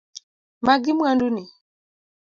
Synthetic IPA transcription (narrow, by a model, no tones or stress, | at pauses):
maɡimwanduni